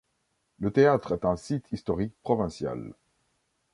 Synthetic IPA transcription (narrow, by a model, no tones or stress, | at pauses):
lət̪eat̪χɛt̪ɛ̃sit̪ʰist̪ɔʁik̚pχɔvɛ̃sja̰l